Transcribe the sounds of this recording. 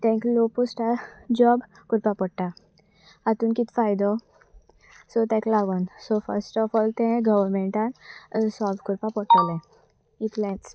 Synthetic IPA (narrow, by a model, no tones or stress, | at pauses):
t̪ɛ̃ŋkloːposʈad͡ʒɔːb | kʊɾpapɔʈːa | ɐt̪unkit̪faːjd̪ɔ | sot̪ɛ̃klaːɡɔnsofɐ̰ɾsʈɔfɔːlt̪ɛ̃ɡɐʋəɾmẽɳʈansɔkʊɾpapɔʈːəlɛ̃ | it̪lɛ̃s